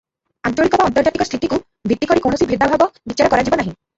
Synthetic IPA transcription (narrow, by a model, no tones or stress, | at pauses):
ant͡ʃɔɽikɔbaɔnt̪ɔɾd͡ʒat̪ikɔst̪ʰit̪iku | bʱit̪ːikɔɾikow̃ɳ̃ɔsibʱɾid̪ʱabʱabɔbit͡ʃaɾɔkɔɾad͡ʒibɔnaɦĩ